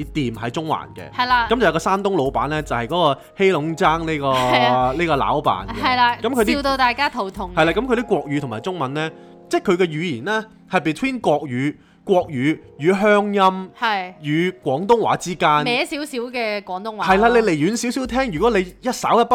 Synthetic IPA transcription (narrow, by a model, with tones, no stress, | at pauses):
t̪iː˨mhɐ˨˧jt͡sʊ˥ŋwa̰ː˨˩nkɛ̰˧hɐ˨˩laː˧kɐ˨˦mt͡sjkɔː˧saː˥nt̪ʊ˥ŋlo˨˧wpaː˨˥nlɛː˥t͡sɐ˨˩whɐ˨jkɔː˨˥kɔː˧ | he˥jlʊ˨˧˥ŋt͡saː˥ŋni˥kɔː˧niː˥kɔː˧la̰ː˨˥wpa̰ː˨nɛ˧ɐ˨jlaː˧kɐ˨˦mkʰɵ˧t̪i˥˧t̪o˧t̪aː˨˧jkaː˥t̪ʰo˨˩wt̪ʰʊ˨˩ŋhɐ˨jlaː˧kɐ˨˥mkʰɾ̬i˥kwɔː˧k̚jyː˨˧ʊ˨˩maː˨˩jt͡sʊ˥ŋmɐ˨˧nlɛː˥ | t͡sɛː˥˩kʰɵ˨˧ɥkɛ˧ɥyː˨˧jiː˨˩nlɛː˥ | hɐ˨jpi˨t̪ʰwiː˥nkʷɔː˧k̚jyː˨˧ | kʷɔː˧k̚jyː˨˧ | jyː˨˧ɦœː˥ŋjɐ˥mhɐ˨˩jjyː˨˧kʷwɔː˨˥ŋt̪ʊ˥ŋwa̰ː˨˧˥t͡siː˥kaː˥nmɛː˨˧˥siː˨˥wsiː˨˥wkɛː˧kwɔː˨˥ŋt̪ʊ˥ŋwa˨hɐ˨jlaː˧le˨˧jle˨˩jjyː˨˧nsiː˨˥wsiː˨˥wt̪ʰɛː˥ŋjy˨kɔː˨˥le˨˧jjɐ˥t̚saː˨˥wjɐ˥t̚pɐ˥